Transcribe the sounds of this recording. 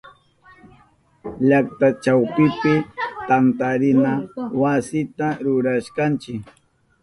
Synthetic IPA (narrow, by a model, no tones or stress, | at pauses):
ʎak̚t̪at͡ʃawpɪpɪt̪ant̪aɾɪnawasɪt̪aɾʊɾaʃkant͡ʃɪk